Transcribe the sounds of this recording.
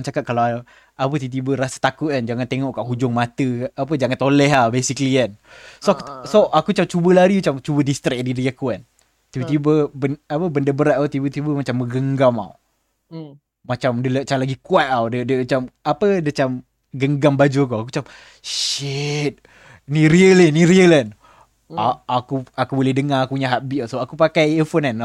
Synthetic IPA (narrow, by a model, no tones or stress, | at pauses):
t͡ʃakat̪̚kalawa | apət̪it̪̬ibəɾasə̥t̪akʊt̪̚and͡ʒaŋant̪eŋɔʔkaʔɦud͡ʒʊŋmat̪əapəd͡ʒaŋant̪olɛɦahbesikəliansoksoʔakut͡ʃamt͡ʃubəlaɾimat͡ʃamt͡ʃubədist̪ɾɛk̚diɾiakuan | t̪ibət̪ibəbəapəbəndəbəɾat̪̚at̪ibət̪ibəmat͡ʃamːəɡəŋɡama̰w | mat͡ʃamdələt͡ʃalaɡikuat̪̚awdədəmat͡ʃamapədət͡ʃam | ɡəŋɡambad͡ʒuk̬uak̬ut͡ʃam | ʃit̪̚ | niɾiəlinĩɾiəlan | aakuakubolɛhdəŋaakuuɲaɦaʔbiawsoakupakajefonan